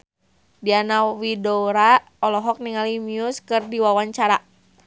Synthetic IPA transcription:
dianawidoɾa | ɔlɔɦɔk̚niŋalimiuskɨrdiwawaɲt͡ʃaɾa

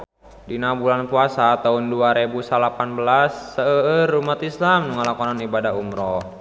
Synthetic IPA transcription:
dinabulanpuasat̪aunduaɾebusalapanbəlasːəəərumat̪islamnuŋalakɔnanibadaɦumɾɔ

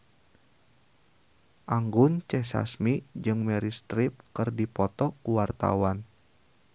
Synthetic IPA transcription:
ʔaŋɡʊnt͡ʃɛsa̰smid͡ʒɨŋmɛɾist̪ɾɪp̚kɨrdipɔt̪ɔkuwart̪a̰wan

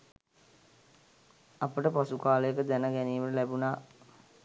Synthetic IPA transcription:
apəʈəpasukaːləjekəd̪ænəɡɛniːʋəʈəlæbunaː

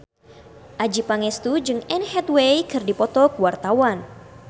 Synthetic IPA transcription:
ʔad͡ʒipaŋɛst̪ud͡ʒɨŋɛnhɛt̪̚wejkɨrdipɔt̪ɔkuwart̪awan

